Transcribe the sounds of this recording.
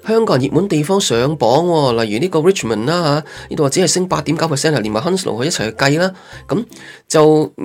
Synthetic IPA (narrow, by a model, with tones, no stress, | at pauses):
hœː˥ŋkɔː˧˥˨njiː˨t̚muː˨˥nt̪e˨jfɔː˥ŋsœː˨˧ŋpɔː˨˥ŋwɔː˧lɐ˨jːyː˨˩niː˥kɔː˧ɹɪ˥t͡ʃmɐ˨˩nlaː˥ɦaː˨˧˥niː˥o˨wa˨˩t͡si˨˥hɐ˨jsɪ˥ŋpaː˧t̪̚i˨˥mkɐ˨˥wpʰɛ˨sɛː˥ntʰɐ˨˩liː˨˩nmaː˨˩ɦɐ˥nslo̰˨whɵ˧jɐ˥tt͡sʰɐ˨˩jhɵ˧kɐ˧jlaː˥kɐ˨˥m | t͡sɐ˨w